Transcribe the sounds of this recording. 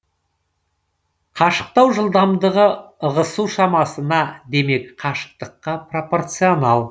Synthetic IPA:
qʰɑʃə̥q̚t̪ɑwʒəlˠd̪ɑmd̪əʁəəʁəsuwʃɑmɑsənɑd̪e̞me̞kqʰɑʃə̥q̚t̪əqːɑpro̞po̞rt̪sijo̞nɑlˠ

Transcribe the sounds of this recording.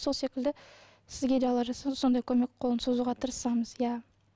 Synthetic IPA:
solˠse̞kʲɪld̪ɪ | sɪzɡʲe̞d̪elˠɑʒɑsɑso̞nd̪ɑjkʲʰɵme̞kqʰo̞lˠənsozuʁɑt̪ʰəɾəsɑməz̥jɑ

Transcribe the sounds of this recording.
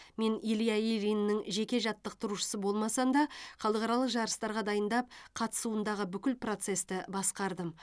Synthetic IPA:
me̞nilijaeɾijnːɪŋʒe̞kʲe̞ʒɑt̪ːəq̚t̪ʰʊɾuʃə̥səbo̞lˠmɑsɑnd̪ɑχɑlˠəqɑɾɑlˠəqʒɑɾəst̪ɑɾʁɑd̪ɑjənd̪ɑp̚qʰɑt̪ə̥suənd̪ɑʁəbʏkʲɪlpro̞t̪se̞st̪ɪbɑsqɑɾd̪əm

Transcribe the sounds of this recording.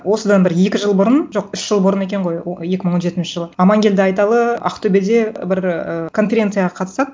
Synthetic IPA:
wo̞səd̪ɑnbɪɾje̞kʲɪʒəlˠbʊɾənʒo̞qʏʃʒ̥əlˠbʊɾəne̞kʲe̞ɴʁo̞jje̞kʲɪməɴwo̞nʒe̞t̪ɪnʃɪʒəlˠəɑmɑŋɡʲe̞ld̪ɪɑjt̪ɑlˠəɑ̰qt̪ʰɵbe̞d̪e̞bɪɾəkʰo̞nfʲe̞ɾʲe̞nt̪sɨjaʁɑqʰɑt̪əsɑd̪ə

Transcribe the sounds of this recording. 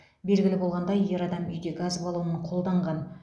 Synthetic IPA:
be̞lɡʲɪlɪbo̞lˠʁɑnd̪ɑjje̞ɾɑd̪ɑmʏ̰jd̪eɡazbɑlˠuənəɴqʰo̞lˠd̪ɑɴʁɑn

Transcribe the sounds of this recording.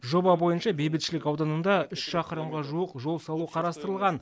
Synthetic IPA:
ʒo̞bɑbo̞jənʃɑbe̞jbɪt̪ʃɪlɪkɑwd̪ɑnənd̪ɑʏʃsʃɑqəɾəmʁɑʒuəqʒo̞lˠsɑlˠuqʰɑɾɑst̪əɾəlˠʁɑn

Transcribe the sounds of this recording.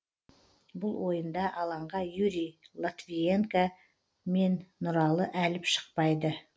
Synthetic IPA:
bʊlˠwo̞jənd̪ɑʔɑlˠɑɴʁɑjuɾijlˠat̪vijeŋka | me̞nːʊɾɑlˠəʔælɪpʃə̥q̚pɑjd̪ə

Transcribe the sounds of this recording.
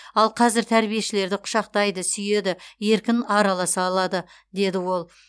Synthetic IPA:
ɑlˠqʰɑzɪɾt̪ʰæɾbije̞ʃɪle̞ɾd̪ɪqʰʊ̥ʃɑqt̪ɑjd̪əsʏje̞d̪ɪje̞ɾkʲɪnɑɾɑlˠɑsɑːlˠɑd̪ə | d̪e̞d̪ɪwo̞lˠ

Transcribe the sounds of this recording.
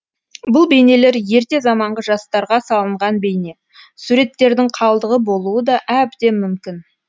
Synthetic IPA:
bʊlˠbe̞jne̞le̞ɾje̞ɾt̪e̞zɑmɑɴʁəʒɑst̪ɑɾʁɑsɑlˠəɴʁɑnbe̞jne̞ | suɾe̞t̪ːe̞ɾd̪ɪŋqʰɑlˠd̪əʁəbo̞lˠuəd̪ɑʔæbd̪e̞mʏmkʲɪn

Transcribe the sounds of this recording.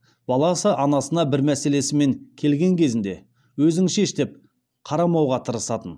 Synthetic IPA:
b̥ɑlˠɑsəʔɑnɑsənɑbɪɾmæse̞le̞sɪme̞ŋkʲʰe̞lɡʲe̞ŋkʲʰe̞zɪnd̪e̞ | wɵzɪŋʃe̞ʃt̪e̞p̚ | qʰɑɾɑmɑwʁɑt̪ʰəɾəsɑt̪ən

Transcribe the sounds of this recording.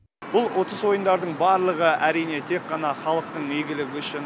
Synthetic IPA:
b̥ʊlˠwʔo̞t̪əzwo̞jənd̪ɑɾd̪əɴbɑɾlˠəʁəæɾijne̞t̪ʰe̞kqːɑnɑχɑlˠəq̚t̪əɴmeɡʲɪlɪɡʲɪʏʃɪn

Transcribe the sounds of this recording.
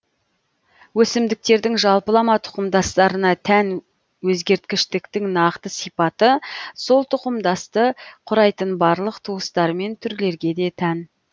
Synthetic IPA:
wɵsɪmd̪ɪk̚t̪e̞ɾd̪ɪŋʒɑlˠpəlˠɑmɑt̪ʰʊ̥qəmd̪ɑst̪ɑɾənɑt̪ʰæn | wɵzɡʲe̞ɾt̪̚kʲɪʃt̪ɪkt̪ɪŋnɑqt̪əsijpɑt̪əso̞lˠt̪ʰʊqəmd̪ɑst̪əqʰʊɾɑjt̪ənbɑɾlˠəqt̪ʰuwəst̪ɑɾme̞nt̪ʰʏɾle̞ɾɡʲe̞d̪e̞t̪ʰæn

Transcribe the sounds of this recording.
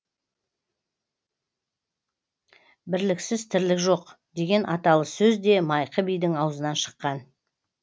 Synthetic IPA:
bɪɾlɪksɪzt̪ʰɪɾlɪkʒo̞qd̪e̞ɡʲe̞nʔɑt̪ɑlˠəsɵzd̪e̞mɑjqəbijd̪ɪŋɑwzənɑnʃə̥qːɑn

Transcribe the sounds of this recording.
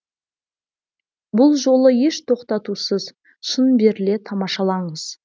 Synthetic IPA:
bʊlˠʒo̞lˠəje̞ʃt̪ʰo̞qt̪ɑt̪usəz | ʃənbe̞ɾɪle̞t̪ʰɑmɑʃɑlˠɑɴəz̥

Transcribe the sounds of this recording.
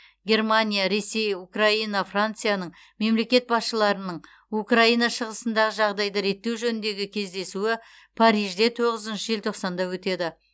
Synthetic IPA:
ɡʲe̞rmanʲijaɾe̞se̞jukrainɑfrant̪sɨjanəɴ | me̞mle̞kʲe̞t̪̚bɑsʃəlˠɑɾənəɴ | ukraijnɑʃəʁəsənd̪ɑʁəʒɑʁd̪ɑjd̪əɾe̞t̪ːe̞wʒɵnɪnd̪e̞ɡʲɪkʲʰe̞zd̪e̞suɪ | pʰaɾijʒd̪e̞t̪ʰo̞ʁəzənʃəʒelt̪ʰoqsɑnd̪ɑwɵt̪e̞d̪ɪ

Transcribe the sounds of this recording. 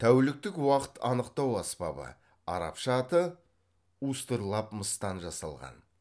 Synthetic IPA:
t̪ʰæwɪlɪk̚t̪ɪkwɑqə̥t̪ʰɑnəqt̪ɑwɑspɑ̰bə̰ | ɑ̰ɾɑ̰pʃɑt̪ə | ust̪əɾlˠɑpməst̪ɑnʒɑsɑ̰lˠʁɑ̰n

